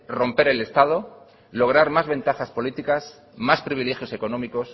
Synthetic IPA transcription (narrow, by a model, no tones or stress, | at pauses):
ro̞mpe̞ɾe̞le̞st̪að̞o̞ | lo̞ɣɾaɾmazβe̞nt̪axaspo̞lit̪ikas | maspɾiβ̞ile̞xjo̞se̞ko̞nõ̞miko̞s